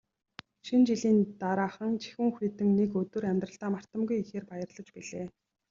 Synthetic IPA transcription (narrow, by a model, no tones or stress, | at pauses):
ʃint͡ɕiɮiːnt̪aɾaːχə̆ŋt͡ɕʰi̥xʲŭŋxĭt̪ɘ̆ŋnekɵt̪wɵ̆ræmʲt̪rə̆ɬt̪aːmar̥t̪ə̆mɡujixeːrpajə̆rɮə̆t͡ɕpiɮeː